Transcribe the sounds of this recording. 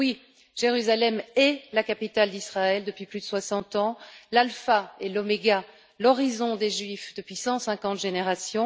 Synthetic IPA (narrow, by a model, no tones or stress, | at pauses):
wi | ʒ̥eʁyzalɛmɛlakapit̪ald̪isχaɛld̪əpɥiplyd̪əswasɑ̃t̪ɑ̃lalfaelɔmeɡa | lɔʁizɔ̃d̪eʒɥifd̪əpɥisɑ̃sɛ̃kɑ̃t̪ʒeneʁasjɔ̃